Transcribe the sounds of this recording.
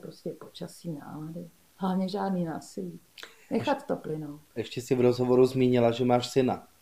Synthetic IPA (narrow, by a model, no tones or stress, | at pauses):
pɾoscɛpot͡ʃasiːna̰ːladɪ | hlavɲɛʒaːdniːnaːsɪliː | nɛxat̪t̪oplɪnowʔɛʃcɛsɪvɾozɦovoɾuzmiːɲɪlaʒɛmaːʃsɪna